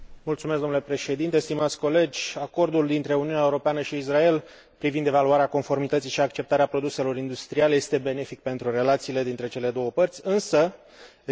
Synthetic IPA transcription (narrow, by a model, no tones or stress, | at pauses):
mult̪sumesɡ̪omnule̞pɾe̞ʃe̞d̪int̪e̞st̪imat̪sʲko̞le̞d͡ʒʲako̞rd̪uld̪int̪ɾe̞uniuneaeuɾo̞peanəʃiːsrae̞l | pɾivind̪e̞valuaɾeako̞nfo̞rmit̪ət̪siʃiakt͡ʃe̞p̚t̪aɾeapɾo̞d̪use̞lo̞ɾind̪ust̪ɾialejest̪e̞be̞ne̞fik̚pe̞nt̪ɾure̞lat̪siːle̞d̪int̪ɾe̞t͡ʃe̞le̞d̪o̞wəpərt̪sʲɨnsə